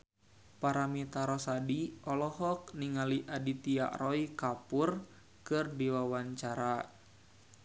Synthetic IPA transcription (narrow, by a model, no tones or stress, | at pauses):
paɾamit̪aɾɔsadiʔɔlɔhɔk̚niŋaliʔadit̪ia̰ʔrɔikapʊr | kɨrdiwawaɲt͡ʃaɾa